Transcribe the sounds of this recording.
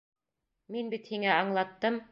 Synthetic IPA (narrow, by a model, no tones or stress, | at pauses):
minbit̪hiŋæɑɴlˠɑt̪ːɤm